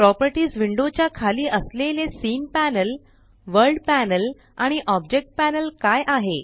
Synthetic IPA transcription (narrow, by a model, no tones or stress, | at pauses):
pɾɔpəɾʈiːsʋiɳɖot͡ɕjakʰaliːʔəslelesiːnpænəl | ʋəɾlɖpænəl | aɽ̃iʔɔb̚d͡ʑek̚ʈ̚pænəlkajʔaɦe